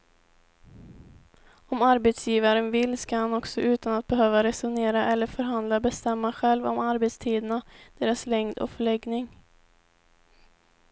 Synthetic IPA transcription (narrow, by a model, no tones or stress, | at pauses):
ɔmaɾbɛt̪sjiːvaɾənvɪlːskahanɔksɔʔʉ̟ːt̪anat̪̚bɛɦøːvaɾɛsʊneːɾaʔɛlːəɾfœɾɦand̪labɛst̪ɛmːaɧɛlvɔ̰maɾbɛt̪st̪ʰiːd̪ənad̪̥eːɾaslɛŋd̪ɔ̰fœɭɛɡnɪŋ